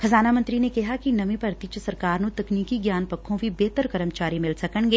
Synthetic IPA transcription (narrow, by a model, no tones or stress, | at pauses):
kʰɐzaːnamɐ̃nt̪ɾinekɐɦakinɐmĩpɐɾt̪it͡ʃsɐɾkaːɾnõt̪ɐkniːkiɡjaːnpɐkʰːõbʱibeːt̪əɾkɐɾəmt͡ʃaːɾimɪlsɐkəɳɡeː